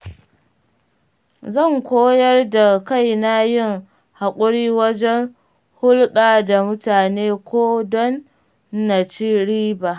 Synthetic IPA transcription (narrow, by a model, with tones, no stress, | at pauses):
zɐ˦˨ŋkʷoː˦jɐ˦rda˨ka˦˨jna˦jɪ˦˨ŋ | ha˨kʷʼʊ˦ɽiː˦wɐ˦d͡ʒɛ˦ŋ | hʊ˦lɓaː˨da˨mʊ˦taː˨neː˦kʷoː˦dɔ˦nː | a˨t͡ʃi˦ɽiː˦ba˨